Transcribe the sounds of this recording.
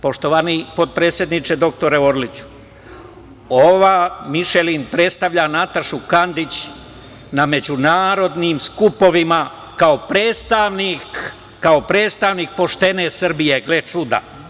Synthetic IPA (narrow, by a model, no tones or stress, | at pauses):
po̞ʃt̪oʋanipo̞d̪̚pɾe̞ːt̪sje̞d̪nit͡ʃed̪o̞k̚t̪o̞ɾeoɾlit͡ɕu̥ | oʋaːmiʃelinpɾe̞t̪st̪aʋʎanat̪aʃukand̪it͡ɕ | name̞d͡ʑunaːɾo̞d̪nimskupo̞ʋima | kaopɾeːt̪st̪aʋnikː | ao̞pɾeːt̪st̪aʋnik̚po̞ʃt̪e̞nesr̩bijeɡlet͡ʃud̪a̰